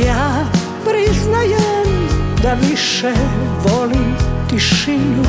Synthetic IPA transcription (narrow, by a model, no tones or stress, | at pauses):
ja | pɾiznajɛmd̪aʋiʃɛ | ʋɔlimt̪iʃinu